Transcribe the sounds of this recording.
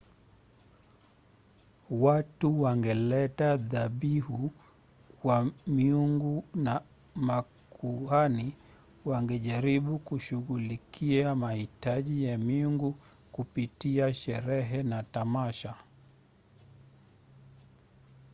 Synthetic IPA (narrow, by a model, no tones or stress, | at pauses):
watuwaŋɡɛlɛtaðaɓihu | kwamiuŋɡuna | ma | kʰuani | waŋɡɛʄaɾiɓukuʃuɣulikʰiamahitaʄijamiuŋɡu | kupitiaʃɛɾɛɦɛnatamaʃa